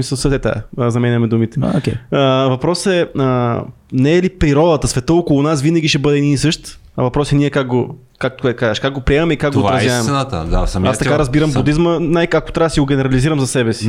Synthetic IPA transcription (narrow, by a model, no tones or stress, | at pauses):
misəlˠsɛt̪ɛt̪ɛ̰zɐmɛnʲɐmɛd̪umit̪ɛ̥oɛəvɐpɾɔsɛə | nɛːlipɾiɾɔd̪ɐt̪əsvɛt̪əokolˠʊnasvinɐɡ̟ʲiʃɛbɤd̪ɛd̪inisɤʃt̪ | ɐ̰vɐpɾɔsɛniɛkakɡo | kak̪̚ɛkazəʃkaɡ̚ɡopɾiɛmɐmɛikakɡ̪ɡoːvaɾɐzjɐmɛnat̪ə̰d̪a̰sɐmat̪ɐkaɾɐzbiɾɐmbud̪izmənajkako̥t̪ɾasiɡoɡʲɛnɛɾɐliziɾəmzɐsɛbɛsi̥